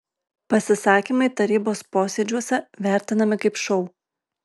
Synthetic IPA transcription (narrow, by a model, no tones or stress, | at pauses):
pɐsʲɪsɑːkʲiˑmɐɪt̪ɐɾʲiːboːspoːsʲɛd͡ʒʲuɔsʲɛʋʲæˑɾʲt̪ʲɪnɐmʲɪkɐɪpʃɔʊ